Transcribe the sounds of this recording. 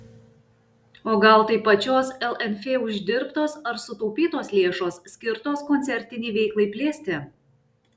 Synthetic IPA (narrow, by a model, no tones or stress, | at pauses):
oːɡɐlˠt̪ɐɪpɐt͡ʃʲoːsɛlˠɛnʲfʲeːʊʒʲd̪ʲɪɾpt̪oːsɐɾsʊt̪oʊpʲiːt̪oːslʲeɛʃoːssʲkʲɪɾt̪oːskɔnʲt̪sʲɛɾʲt̪ʲɪnʲɪːʋʲɛɪklˠɐɪpʲlʲeːsʲt̪ʲɛ